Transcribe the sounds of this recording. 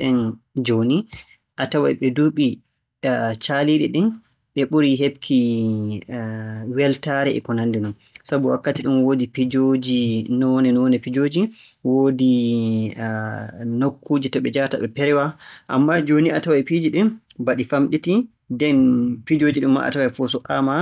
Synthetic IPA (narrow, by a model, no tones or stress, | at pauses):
ɗɛnd͡ʒoni | ʔatawajɓɛduɓi | t͡ʃaliɗiɗin | ɓɛɓuɾiɦebkʰi | wɛltaɾɛɛ̰kɔnandɛnɔn | sabuwakːatiɗunwodipid͡ʒod͡ʒinɔɔnɛnɔɔnɛpid͡ʒoːd͡ʒiwodi | nokʰːuːd͡ʒitɔɓɛd͡ʒataɓɛpɛɾɛwaʔa̰mːad͡ʒoniatawajpid͡ʒiɗinbaɗifamɗiti | dɛnpid͡ʒoːd͡ʒiɗumːa̰ʔa̰tawajfɔsɔʔama